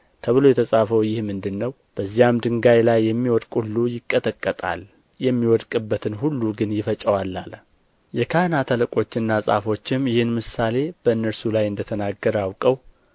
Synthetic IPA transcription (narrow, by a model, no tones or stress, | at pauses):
t̪ʰəβɨlo̞jɛt̪ʰəsʼafəwjɪhmɨnd̪ɨnːəw | b̥əzːijamd̪ɨŋɡajlajːɛmːiwɔd̪kʼulːujɪkʼːət̪ʼəkʼːət̪ʼa̰l | jɛmːiwɔd̪kʼɨbːət̪ʰɨnhulːuɡɨnjɪfət͡ʃʼəwalːal | jɛkʰanat̪ʰələkʼo̞t͡ʃːɪnːasʼa̰fo̞t͡ʃːɪmjɪhɪnmɨsale̞b̥əɨnːəɾsulajɨnd̪ət̪ʰənaɡːəɾawkʼəw